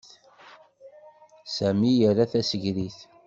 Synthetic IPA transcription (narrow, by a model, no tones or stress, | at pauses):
sæmijəɾaθæsəʝɾiθ